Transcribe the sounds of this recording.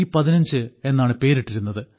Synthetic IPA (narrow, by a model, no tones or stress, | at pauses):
ipɐðinɐɲd͡ʑɨe̞nːaːɳɨpe̞ːɾiʈːiɾun̪ːɐðɨ